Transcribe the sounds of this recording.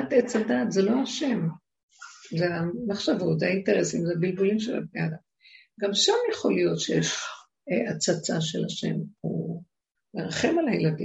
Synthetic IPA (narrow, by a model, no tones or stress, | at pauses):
atet͡sadaːt̪zelo̞aʃe̞m | zeamaχʃavo̞tzeainteʁesimzeabilbulimʃela̰bneadam | ɡamʃamjeχo̞lijo̞tʃejeʃ | at͡sat͡saʃe̞̰laʃe̞̰mṵ | meʁaχe̞malajeladḭ